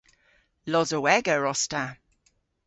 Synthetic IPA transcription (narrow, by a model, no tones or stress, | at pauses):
lɔzəwɛɡəɹɔsta